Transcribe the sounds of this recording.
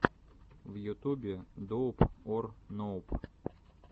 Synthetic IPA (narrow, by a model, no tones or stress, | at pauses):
vjʊt̪ubʲɪd̪ɔpɔrnɔp